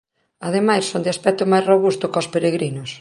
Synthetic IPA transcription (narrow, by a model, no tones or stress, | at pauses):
að̞emajssond̪ɪaspɛk̚t̪ʊmajzroβust̪ʊkospeɾeɣɾinʊs